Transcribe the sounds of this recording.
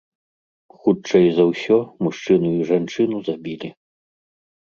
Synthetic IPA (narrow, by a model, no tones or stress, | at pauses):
xut͡ʂɐjzɐwsʲɔmuʂt͡ʂɨnujiʐant͡ʂɨnuzabʲilʲi